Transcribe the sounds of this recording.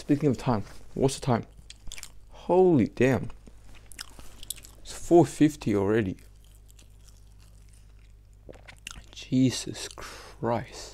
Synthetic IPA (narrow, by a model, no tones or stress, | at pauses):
spikɪ̃ŋʌvtʰãɪ̃mwʔʌ̰tsə̥tʰãɪ̃m | hoʊlˠid̥æ̃m | sfɔfɪftʰiɔl̩ˠɹɛɾi | d̥d͡ʒ̥iz̥ə̰skʰɹ̥aɪst